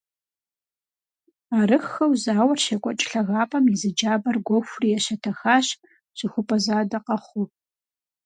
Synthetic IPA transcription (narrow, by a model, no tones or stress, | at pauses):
aːɾɨxːɐwzaːwɐrɕɐkʷʼɔt͡ʃʼɬɐɣaːpʼɐmjizɨd͡ʒaːbɐrɡʷoɔxʷʊrijɛɕɐtʰɐxaːɕ | ɕʼɨxʷʊpʼɐzaːdɐqɐχʷʊ